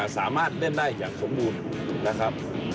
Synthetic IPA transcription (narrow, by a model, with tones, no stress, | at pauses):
a˨˧˩saː˩˦maː˥˩t̪̚de˥˩ndaː˥˩jːa̰ː˨˩k̚so˨˩˦mbuː˧n | la˦˥kʰa˦˥p̚